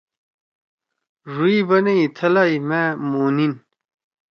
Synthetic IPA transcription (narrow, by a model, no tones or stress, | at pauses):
ʐuibɐneit̪ʰɐlajmeːmuːnin